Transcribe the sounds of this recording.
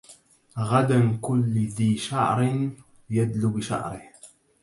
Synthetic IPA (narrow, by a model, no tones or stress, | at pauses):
ɣad̪amkʊlːðiːʃaʕɾn | jad̪lubɪʃa̰ʕɾɪh